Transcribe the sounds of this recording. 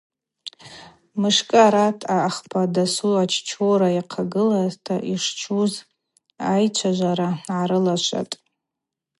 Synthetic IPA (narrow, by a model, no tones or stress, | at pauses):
mɨʂkʼɨaɾatʰaːχpʰadasuat͡ʃʰt͡ʃʰoɾajaqʰaɡɨlaztʰaʔiʂt͡ʃʰuz | ajt͡ʃʷʰaʒʷaɾaaɾɨlaʃʷa̰tʼ